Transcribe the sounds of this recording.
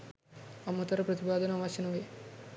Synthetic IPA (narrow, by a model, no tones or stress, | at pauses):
ɐmːɐt̪ɐɾɐpɾɐt̪ipaːd̪ɐnɐʋaːt͡ʃɐnɐʋe